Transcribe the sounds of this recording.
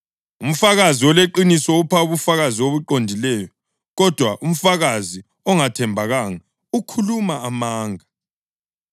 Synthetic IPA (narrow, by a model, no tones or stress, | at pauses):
um̩faɣaziwɔleǃinisɔupʰauβufaɣaziwoβuǃondʱilɛjɔ | ɣɔd̥ʱwaʔum̩faɣazi | ɔŋatʰɛmbʱaɣaŋa | ukʰulumaːmaːŋa